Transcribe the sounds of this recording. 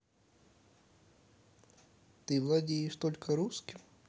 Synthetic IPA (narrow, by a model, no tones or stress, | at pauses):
t̪ɨvlˠɐdʲejɪʂt̪o̞lʲkəɾuskʲɪm